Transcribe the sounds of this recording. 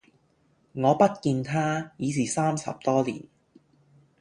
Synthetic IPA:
ŋɔː˨˧pɐ˥t̚kiː˧nt̪ʰaː˥jiː˨˥siː˨˩saː˥msɐ̰˨p̚t̪ɔː˥lḭː˨˩n

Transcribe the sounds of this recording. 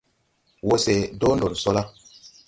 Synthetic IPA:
wo˦se˨do˦no˨lso˦la˦

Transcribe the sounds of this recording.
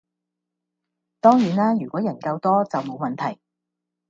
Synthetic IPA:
t̪ɔː˥ŋjyː˨˩naː˥jyː˨˩kʷɔː˨˥jɐ˨˩nkɐ˧wt̪ɔː˥t͡sɐ˨wmo˨˧wmɐ˨nt̪ʰɐ˨˩j

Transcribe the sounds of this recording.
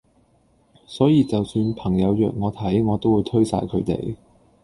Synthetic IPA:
sɔː˨˥jiː˨˧t͡sɐ˨wsyː˧npʰɐ˨˩ŋjɐ˨˧wjœː˨k̚ŋɔː˨˧t̪ʰɐ˨˥jŋɔː˨˧t̪o˥wuː˨˧jt̪ʰɵ˥ɥsa̰ː˧jkʰɵ˨˧ɥt̪ḛ˨j

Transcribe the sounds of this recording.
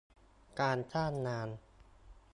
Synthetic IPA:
kaː˧nt͡ɕʰaː˥˩nːaː˧˥n

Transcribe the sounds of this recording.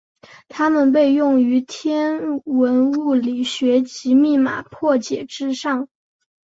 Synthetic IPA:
t̪ʰa˥mə˨npe˥˧ɪjʊ˥˩ŋy˧˥t̪ʰjɛ˥nwə˧˥nu˥˩li˨˩ɕɥɛ˧˥t͡ɕi˧˥mi˥˩ma̰˨˩pʰwɔ˥˩t͡ɕjɛ˨˩ʈ͡ʂɻ̩˥ʂɑ˥˩ŋ

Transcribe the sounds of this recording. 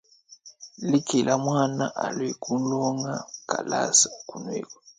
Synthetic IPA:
li˦ki˨lʔa˦mwa˦na˦ʔa˨lwi˨ku˦lɔ˦ŋa˦ka˨la̰˦sa˨ku˨nwḛ˦˨kwɔ˨

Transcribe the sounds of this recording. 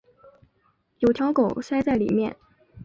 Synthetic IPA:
jo˨˩ʊt̪ʰjɑ˧˥ʊko˨˩˦ʊʂa˥ɪt͡sa˥˩ɪlḭ˨˩mjɛ̰˥˩n

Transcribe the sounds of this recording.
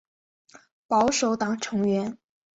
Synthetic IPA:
pɑ˧˥ʊʂo˧˥ʊt̪ɑ˨˩ŋʈ͡ʂʰɤ˧˥ŋɥɛ˧˥n

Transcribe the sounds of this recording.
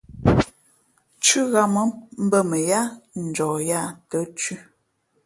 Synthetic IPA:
t͡ʃʉ˦ɣa˨mə˦m̩˦bə˦˨mə˨ja˦n̩˨d͡ʒɔː˨ja˦˨tə˦t͡ʃʉ˦

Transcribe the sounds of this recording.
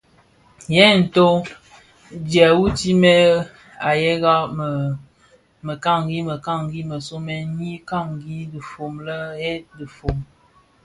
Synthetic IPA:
jɛ˦˨n̩˨to˦ | dja˨wu˦ti˦mɛ˦ | a˨je˦ɣa˦˨ | mə˨ka˦˨ŋ˨ɡi˦mə˨ka˦˨ŋ˨ɡi˦mə˨so˦mɛ˦ɲi˦ka˦˨ŋɡi˦di˨fo˨mlə˦e˦di˨fo˨m

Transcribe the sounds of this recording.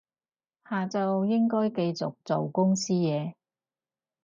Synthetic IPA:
haː˨˩t͡sɐ˨wjɪ˥ŋkɔː˥jke˧jt͡sʊ˨˩k̚t͡so˨wkʊ˥ŋsiː˥jɛː˨˧

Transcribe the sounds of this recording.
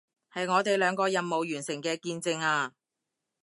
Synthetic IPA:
hɐ˨jŋɔː˨˧t̪e˨jlœː˨˧ŋkɔː˧jɐ˨nmːo˨wjyː˨˩nsɪ˨˩ŋkɛː˧kiː˧nt͡sɪ˨˧ŋaː˧

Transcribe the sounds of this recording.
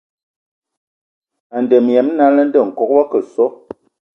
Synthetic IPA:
a˨n˨də˨m˨jɛ˨˦m˦na˦lə˦n˦də˦˨ŋ̩˨kɔ˨k̚wa˦kə˨sɔ˦

